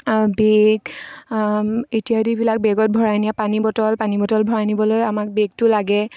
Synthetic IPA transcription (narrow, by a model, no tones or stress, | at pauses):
beɡ | etiadibilak̚beɡɔt̚bʱɔɹajniapanibɔtɔlpanibɔtɔlbʱɔɹajnibɔlojamak̚beɡ̚tʊlaɡɛ